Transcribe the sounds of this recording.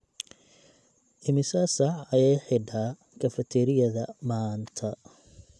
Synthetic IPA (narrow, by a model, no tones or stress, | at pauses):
ʔɪmɪsɐsɐʕɐjɛjħɪɖaː | kʰɐfɐt̪ʰɛɾɪjɐðɐmaːnt̪ʰɐ